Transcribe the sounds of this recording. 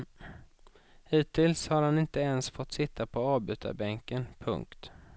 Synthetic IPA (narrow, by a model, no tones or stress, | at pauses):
hiːt̪ʰːɪlshaɾhanɪnt̪əɛnsfɔt̪ːsɪt̪ʰːapʰɔɑːvbʉ̟ːt̪ʰa̰ɾbɛŋkənpʰɵ̰ŋkt̪